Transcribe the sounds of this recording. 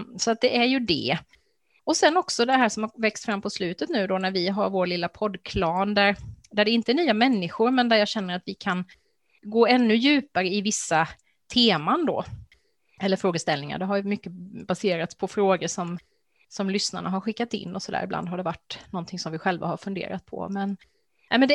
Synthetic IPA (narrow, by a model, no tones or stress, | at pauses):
sɔat̪̚d̪ɛʔæɾjɵd̪ɛ̰ | ɔsɛnːɔksɔd̪ɛɦæːʂɔmhavɛkst̪fɾamːpʰɔslʉ̟ːt̪ət̪nʉ̟ːd̪ɔnæɾvɪɦaɾvoːɾlɪlːapʰɔd̪kʰlɑːnd̪æɾd̪æɖɛɪnt̪əɛɳyːamɛnːɪɧʊɾmɛnd̪æɾjɑːɡɕɛnːəɾat̪vɪkʰan | ɡoːɛnːɵjʉ̟ːpaɾəɪvɪsːa | t̪ʰeːmand̪o̰ː | ɛlːəɾfɾoːɡəst̪ɛlnɪŋa̰ɖɛɦaɾjmʏkːəbaseːɾat̪spʰɔfɾoːɡəʂɔm | sɔmlʏsnaɳaɦaɾɧɪkːat̪ɪ̰nːɔsɔd̪æ̰ːɾɪbla̰nd̪ɦaɖɛvaʈːnɔnt̪ʰɪŋsɔmvɪɧɛlva̰haɾfɵnd̪ḛːɾat̪̚pʰɔ̰mɛn | ɛmɛnd̪ɛ